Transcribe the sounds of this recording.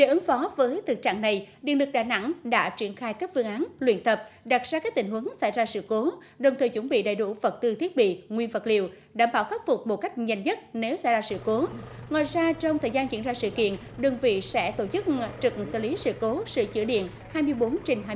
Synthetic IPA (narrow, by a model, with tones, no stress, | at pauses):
ɗḛ˧˩ʔɨ˨˦ŋfɔ˨˦vəː˨˦jt̪ʰɨ˨˩t͡ɕa̰ː˧˨ŋna˨˩jɗḭ˧ənlɨ˨˩k̚ɗaː˧˩na̰˧˥ŋɗa̰ː˧˥t͡ɕi˧˩ənxaː˧jkaː˦˥k̚fɨ˧əŋʔaː˨˦nlwḭ˧ənt̪ʰə˨˩p̚ɗa˨˩t̚zaː˧kaː˦˥k̚t̪ï˧˩ŋ̟ɦwə˨˦ŋsa̰˧˩jzaː˧sɨ̰˧˨ko˨˦ | ɗə˨˩wŋ͡mt̪ʰəː˨˩jt͡ɕu˧˩nɓḭ˧˨ɗa̰˧˨jɗṵ˧˩və˨˩t̚t̪ɨ˧t̪ʰi˦˥ət̚ɓḭ˧˨ŋwi˧ənvə˨˩t̚li˧˨əw | ɗaː˧˩mɓaː˧˩wxaː˦˥t̚fʊ˨˩k͡p̚mo˨˩t̚ka˦˥jk̟̚ɲə˧˨˩nɲə˦˥t̚ne˨˦wsa̰˧˩jzaː˧sɨ̰˧˨ko˨˦ŋwa̰ː˧˨jzaː˧t͡ɕɔ˧wŋ͡mt̪ʰəː˨˩jzaː˧nt͡ɕḭ˧˥nzaː˧sɨ̰˧˨kḭ˧˨ən | ɗɨ˨˩ŋvḭ˧˨sɛ̰˧˥t̪o˧˩t͡ɕɨ˦˥k̚t͡ɕɨ˨˩k̚sɨ̰˧˨li˨˦sɨ̰˧˨ko˨˦sɨ̰˧˨t͡ɕɨ̰˧əɗḭ˧˨ən | haː˧jmɨ˧əjɓo˨˦nt͡ɕe˧nɦː